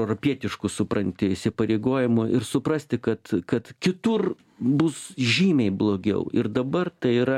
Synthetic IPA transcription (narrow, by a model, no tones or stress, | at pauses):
ʊɾoːpʲiɛt̪ʲɪʃkʊsʊpɾɐnʲt̪ʲɪɪsʲɪpɐɾʲeːɡoːjɪmʊʔɪrsʊpɾɐsʲt̪ʲɪkɐt̪kɐt̪kʲɪt̪ʊr | bʊsʒʲiːmʲɛɪblˠoːɡʲɛ̰ʊɪrd̪ɐbɐrt̪ɐɪiːɾɐ